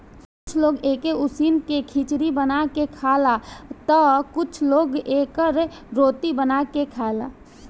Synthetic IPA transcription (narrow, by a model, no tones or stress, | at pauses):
kʊt͡ʃʰloːɡeːkeʊsiːnkekʰit͡ʃɾibənakekʰaːlat̪ɔkʊt͡ʃʰloːɡeːkəɾ | ɾoːt̪ibənakekʰaːla̰